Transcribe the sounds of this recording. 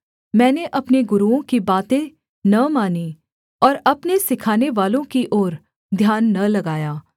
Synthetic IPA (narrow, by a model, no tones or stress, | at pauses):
mɛ̃ːneʔɐpneɡʊɾuõkibaːt̪ẽ | nɐmaːni | ɔːɾɐpnesɪkʰaːneʋaːlõkiʔɔːɾ | d̪ʱjaːnːɐlɐɡaːjaː